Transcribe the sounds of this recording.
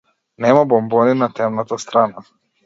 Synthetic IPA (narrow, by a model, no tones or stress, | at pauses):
nɛmabɔmbɔninat̪ɛmnat̪ast̪ɾana